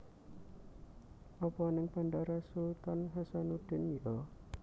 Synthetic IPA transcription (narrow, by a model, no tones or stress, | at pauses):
ʔɔpɔnɪŋpandaɾasut̪ɔnɦasanud̪̥ɪnjɔ